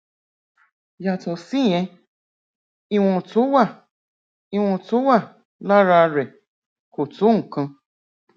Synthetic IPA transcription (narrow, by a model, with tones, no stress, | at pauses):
ja˨tɔ˨si˦jɛ̃˧ | i˦w̃ɔ̃˨tu˨˦wa˦˨ | i˦wɔ̃˧tu˨˦wa˦˨ | la˦ɾa˧˨ɾɛ˨ | ko˨tu˨˦ŋ̩˨kã˧